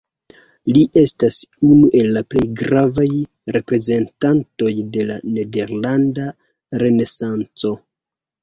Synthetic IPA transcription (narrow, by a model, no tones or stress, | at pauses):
liʔe̞stasunuʔe̞lːaple̞jɡɾavaj | ɾe̞pɾe̞ze̞ntanto̞jde̞la̰ne̞de̞ɾlanda | ɾe̞ne̞sant͡so̞